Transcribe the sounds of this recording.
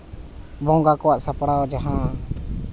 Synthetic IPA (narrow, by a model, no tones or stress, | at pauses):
bɔ̃ŋɡakɔwaʔsapɽaɔd͡ʒaɦã